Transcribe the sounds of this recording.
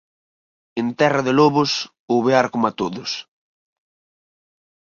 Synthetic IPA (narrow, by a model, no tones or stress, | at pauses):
ent̪ɛrɐðɪlɔβʊs | ʊβeaɾkomat̪oðʊs